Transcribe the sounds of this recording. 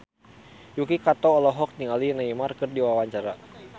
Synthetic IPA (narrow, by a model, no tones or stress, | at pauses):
jukikat̪ɔːlɔɦɔk̚niŋalinaimarkɨrdiwawaɲt͡ʃaɾa